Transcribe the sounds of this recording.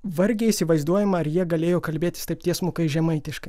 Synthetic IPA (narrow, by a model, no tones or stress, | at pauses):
ʋɐɾʲɡʲeːiːsʲɪʋɐɪzd̪uɔjɛmɐɐɾjiɛɡɐlʲeːjoːkɐlʲbʲeːt̪ʲɪst̪ɐɪpt̪ʲiɛsmʊkɐɪʒʲɛmɐɪt̪ʲɪʃkɐɪ